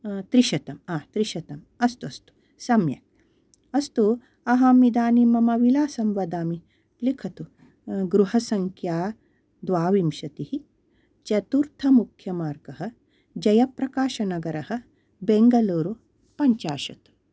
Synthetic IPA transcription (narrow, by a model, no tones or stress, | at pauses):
t̪ɾiʃɐt̪ɐmaːt̪ɾiʃɐt̪ɐm | ɐst̪uɐst̪u̥ | sɐmjɐ̰ | ɐst̪u | ɐɦaːmid̪aːnimɐmɐʋilaːsɐmʋɐd̪aːmi | likʰɐt̪u | ɡɾuɦɐsɐŋkʰjaː | d̪ʋaːʋimʃɐt̪ihi | t͡ʃɐt̪uɾt̪ʰɐmukʰjɐmaːɾɡɐɦɐ | d͡ʒɐjɐpɾɐkaːʃɐnɐɡɐɾɐhɐ̆ | beŋɡɐluːɾu | pɐɲt͡ʃaːʃɐt̪u̥